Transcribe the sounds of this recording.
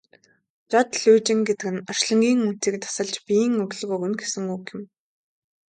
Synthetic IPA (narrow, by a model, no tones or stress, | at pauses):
t͡ɕɔt̪ɮujt͡ɕɪ̆ŋɡet̪ɘ̆kɘ̆nɔr̥ʃɮə̆ŋɡʲiːŋun̥t͡siːk̚t̪ʰḁsə̆ɮt͡ɕpiːŋɵɣɮ̆ɣoːunɡesɘ̆ŋuːkɪ̆m